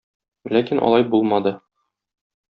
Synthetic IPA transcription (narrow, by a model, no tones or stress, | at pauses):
lækinʔɒ̰lˠɑjbulˠmɑd̪ɤ